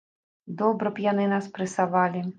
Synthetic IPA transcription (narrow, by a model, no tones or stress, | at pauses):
d̪ɔbɾɐpjanɪnaspɾɨsaʋalʲi